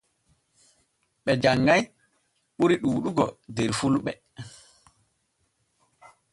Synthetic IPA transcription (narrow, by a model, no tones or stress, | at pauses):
ɓɛd͡ʒaŋɡaj | ɓuɾiɗuːɗuɡɔdɛɾfulɓɛ